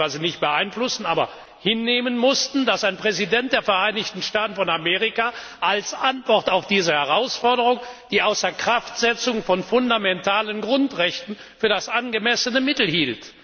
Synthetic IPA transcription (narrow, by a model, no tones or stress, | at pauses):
aɪzənɪçt̚b̥əʔaɪnflʊsn̩ʔaːbɐ | hɪnːeːmənmʊstn̩d̥asaɪnpʁ̥ɛzidɛnt̚d̥eːɐfɛɐʔaɪnɪçtn̩ʃtaːtn̩fɔnameːʁɪka | ʔalsʔantv̥ɔʁtaʊfd̥iːzəhɛʁ̞aʊsfɔɐɾəʁ̞ʊŋd̥iːʔaʊsɐkʁ̥aftz̥ɛt͡sʊŋfɔnfʊndamɛntaːlənɡʁʊntʁɛçtn̩ | fyːɐdasʔanɡəmɛsənəmɪtl̩hiːlt